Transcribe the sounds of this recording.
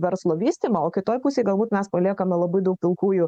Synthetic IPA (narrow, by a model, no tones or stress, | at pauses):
ʋʲɛɾslˠoːʋʲiːsʲt̪ʲimɐoːkʲɪt̪oːjpʊsʲeɪɡɐlˠbuːt̪mʲɛspɐlʲiɛkɐmnʲɛlˠɐbɐɪd̪ɐʊk̚pʲɪlˠkuːjʊ